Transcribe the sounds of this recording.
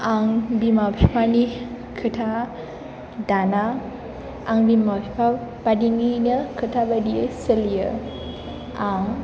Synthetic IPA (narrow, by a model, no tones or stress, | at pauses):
aŋbimapʰipʰani | kʰətʰa | dana | aŋbimapipʰab̥adiŋinəkʰətʰabadiəsəlijə | aŋ